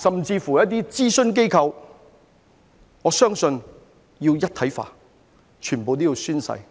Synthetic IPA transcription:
sɐ˨mt͡siː˧fuː˨˩jɐ˥t̚t̪̬iː˥t͡siː˥sɵ˥nk̬e˥jkʰɐ˧w | ŋɔː˨˧sœː˥ŋsɵ˧n | jiː˧wjɐ˥t̪̚ʰɐ˨˥jfa̰ː˨˩ | t͡ʃʰyː˨˩npo˨˧wt̪oː˥jiː˨˧wsyː˥nsɐ̰˧j

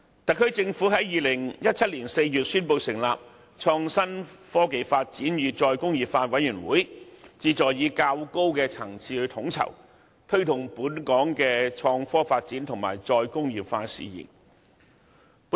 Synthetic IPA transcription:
t̪ɐ˨kʰːɵ˥ɥt͡sɪ˧ŋfuː˨˥ɦɐ˨˥jjiː˨lɪ˨˩ŋjɐ˥t̚t͡sʰɐ˥t̚liː˨˩nse˧jjyː˨t̚syː˥npo˧wsɪ˨˩ŋla̰ː˨p̚ | t͡ʃʰɔː˧ŋsɐ˥nfɔː˥ke˨˧jfaː˧t̚t͡siː˨˥njyː˨˧t͡sɔː˧jkʊ˥ŋjiː˨pfaː˧t̚wɐ˨˥jyː˨˩nwuː˨˥jt͡siː˧t͡sɔː˨jjiː˨˧kaː˧wko˥wkɛː˧t͡sʰɐ˨˩ŋt͡sʰiː˧hɵ˨˧˥t̪ʰʊ˨˥ŋt͡sʰɐ̰˨˩w | t̪ʰɵ˥ɥt̪ʰʊ˨˩ŋpuː˨˥nkɔː˨˥ŋkɛː˧t͡ʃʰɔː˧ŋfɔː˥faː˧t̚t͡siː˨˥nt̪ʰʊ˨˩ŋma̰ː˨˩jt͡sɔː˧jkʊ˥ŋjiː˨p̚faː˧sḭː˨jḭ˨˩n

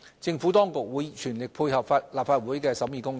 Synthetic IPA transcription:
t͡sɪ˧ŋfu˨˥t̪ɔː˥ŋkʊ˨k̚wuː˨˥jt͡ʃʰyː˨˩nlɪ˨k̚pʰuː˧jhɐ˨pfaː˧t̚laː˨p̚faː˧t̚wuː˨˥jkɛː˧sɐ˨˥wjiː˨kʊ˥ŋ

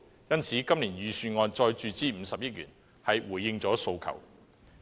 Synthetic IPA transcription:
jɐ˥nt͡sʰiː˨˥kɐ˥mliː˨˩njyː˨˧syː˧nŋɔː˧nt͡sɔː˧jt͡ʃyː˨t͡siː˥m̩˨˧sɐ˨p̚jɐ˥t̚jyː˨˩n | hɐ˨jwuː˨˩jːɪ˧ŋt͡sɔː˨˥so˧wkʰɐ̰˨˩w

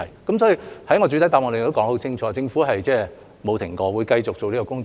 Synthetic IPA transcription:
ɐ˨˩jkɐ˨˥msɔː˨˥ji˨˧hɐ˨˥jŋɔː˨˧t͡ɕy˨˥t̪ɐ˨˥jt̪aː˨˧pŋɔː˨˧d̪e˨t̪o˥kːŋho˨˥wt͡sʰɪ˥ŋt͡ʃʰɔː˨˧t͡sɪ˧ŋfuː˨˥ɦɐ˨jt͡sɛː˥˧ | mo˨˧wt̪ʰɪ˨˩ŋkɔː˧wuː˨˧jkɐ˧jt͡sʊ˨k̚t͡so˨wliː˥kɔː˧kʊ˥ŋ

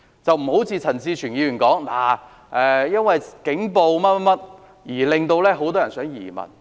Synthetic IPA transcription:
t͡sɐ˨wm̩˨˩ho˨˥wt͡sʰiː˧t͡sʰɐ˨˩nsiː˧t͡ʃʰy˨˩njiː˨˧ɥy˨˩nkɔː˨˥ŋlaː˨˩ | ʔɛː˨jɐ˥nwɐ˨jkɪ˨˥ŋpo˨˧wmɐ˥t̚mɐ˥mɐ˥t̚ | jiː˨˩lɪ˨ŋt̪o˧wlɛː˥ɦo˨˥wt̪ɔː˥jɐ˨˩nsœː˨˥ŋjḭː˨˩mɐ̰˨˩n

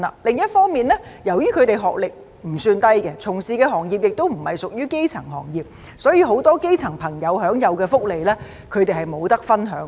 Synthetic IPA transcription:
a̰˨lɪ˨ŋjɐ˥t̚fɔː˥ŋmiː˨nlɛː˥jɐ˨˩wjyː˥kʰɵ˨˧ɥt̪e˨jɦɔ̰ː˨k̚lɪ˨k̚ | m̩˨˩syː˧nt̪ɐ˥jkɛ˧t͡sʰʊ˨˩ŋsiː˨kɛː˧ɦɔː˨˩ŋjiː˨p̚jɪ˨k̚t̪o˥wm̩˨˩hɐ˨jsʊ˨k̚jyː˥ke˥jt͡sʰɐ˨˩ŋɦɔ̰ː˨˩ŋjiː˨˩p̚ | sɔː˨˥jiː˧ɦo˨˥wt̪ɔː˥ke˥jt͡sʰɐ˨˩ŋpʰɐ˨˩ŋjɐ˨˧wɦœː˨˥ŋjɐ˨˧wkɛː˧fʊ˥k̚le˨jlɛː˥ | kʰɵ˨˧ɥt̪e˨jhɐ˨˩jmo˨˧wt̪ɐ˥k̚fɐ˥nɦœː˨˥ŋ

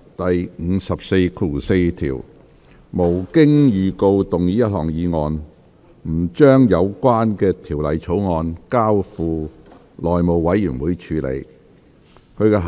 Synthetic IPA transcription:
t̪ɐ˨j̩˨˧sɐ˨p̚se˧jkʰuː˨˩se˧jt̪ʰḭː˨˩w | mo˨˩wkɪ˥ŋjyː˨ko˧wt̪ʊ˨ŋjiː˨˥jɐ˥t̚hɔː˨˩ŋjiː˨˧ŋɔː˧n | m̩˨˩t͡ʃœː˥ŋjɐ˨˧wkwaː˥nkɛː˧t̪ʰi˨˩wlɐ˨jt͡sʰo˨˥wŋɔː˧nkaː˥wfuː˨ | lɔː˨jmo˨wwɐ˨˥jyː˨˩nwuː˨˥jt͡ʃʰyː˨˧lḛ˨˧j | kʰɵ˧ɥkɛː˧ɦ

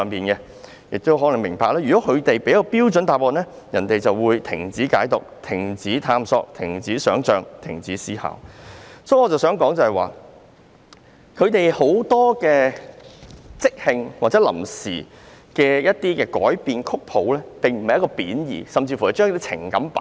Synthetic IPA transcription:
œː˨˧ŋpiː˨nkɛ˧ | jɪ˨k̚t̪o˥wɦɔː˨˥lɐ˨˩ŋmɪ˨˩ŋpaː˧klaː˥jyː˨kɔː˨˥kʰɵ˨˧t̪e˨jpe˨˥jɐ˥kɔ˧piː˥wt͡ʃɵ˨˥nt̪aː˨˩p̚ːɔː˨tnɛː˥ | jɐ˨˩nt̪e˨jt͡sɐ˨wwuː˨˧jt̪ʰɪ˨˩ŋt͡siː˨˥kaː˨˥jt̪ʊ˨k̚t̪ʰɪ˨˩ŋt͡siː˨˥t̪ʰaː˧msɔ̰ː˧k̚t̪ʰɪ˨˩ŋt͡siː˨˥sœː˨˥ŋt͡ʃœː˨˧ŋt̪ʰɪ˨˩ŋt͡siː˨˥siː˥ha̰ː˨˩wsɔː˨˥jɔ˨˧t͡sɐ˨wsœː˨˥ŋkɔː˨˥ŋt͡sɐ˨hɐ˨jwa̰ː˨ | kʰɵ˨˧ɥt̪e˨jho˨˥wt̪ɔː˥kɛː˧ | t͡sɪ˥k̚hɪ˨˧ŋwaː˨k̚t͡sɛː˨˥lɐ̰˨˩msḭː˨ | kɛː˧jɐ˥t̚t̪iː˥kɛː˧kɔ̰ː˨˥jpiː˨nkʰʊ˥k̚pʰo˨˥wlɛː˥t̪e˨ŋm̩˨˩ɐ˨jɐ˥kɔː˧piː˨˥njḭː˨˩sɐ˨mt͡siː˧fu˨˩jɐ˨˩jt͡ʃœː˥ŋ˥t̪i˥t͡sʰɪ̰˨˩ŋkɐ˨˥mpɐ˨˦

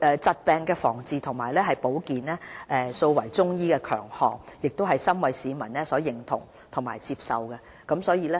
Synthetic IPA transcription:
ɛː˨t͡sɐ˧t̚pɛː˧ŋkɛː˧fɔː˨˩ŋt͡siː˨˧t̪ʰʊ˨˩ŋmaː˨˩jlɛː˥ɦɐ˨jpo˨˥wkiː˨nɛː˥ʔɛː˨˧so˧wwɐ˨˩jt͡sʊ˥ŋjiː˥kɛː˧kʰœ̰ː˨˩ŋhɔː˨ŋjɪ˨k̚t̪o˥ɦɐ˨jsɐ˥mwɐ˨jsiː˨˧mɐ˨˩nlɛː˥sɔː˨˥jɪ˨˩ŋt̪ʰʊ̰˨˩ŋ | t̪ʰʊ˨˩ma̰ː˨˩jt͡siː˧p̚sɐ˨˧wkɛ˧ | kɐ˨˥msɔː˨˥jiː˨˧lɛː˥

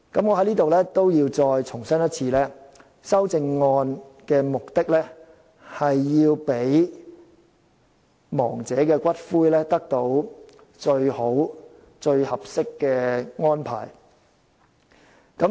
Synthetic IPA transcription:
kɐ˨˥mŋɔː˨˧ɦɐ˨˥jliː˥t̪o˨wlɛː˥t̪o˥wjiː˧wt͡sɔː˧jt͡sʰʊ˨˩ŋsɐ˥njɐ˥t̚t͡sʰiː˧lɛː˥ | sɐ˥wt͡sɪ˧ŋːɔː˧nkɛː˧mʊ˨k̚t̪ɪ˥k̚lɛː˥ | hɐ˨jːiː˧wpe˨˥j | mɔː˨˩ŋt͡sɛː˨˥kɛː˧kʷɐ˥t̚fuː˥jlɛː˥t̪ɐ˥k̚t̪o˨˥w | t͡ʃɵ˧ɥho˨˥w | t͡ʃɵ˧ɥhɐ˨p̚sɪ˥kːɛː˧ŋɔː˥npʰa̰ː˨˩j | kɐ˨˥

